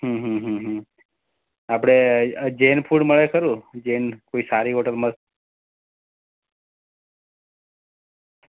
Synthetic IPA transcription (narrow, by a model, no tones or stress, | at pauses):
ɦə̃ɦə̃ɦə̃ɦə̃ | apɽ̃ed͡ʒenpʰuɽməɭekəɾũd͡ʒenkoisaɾiɦoʈəlmət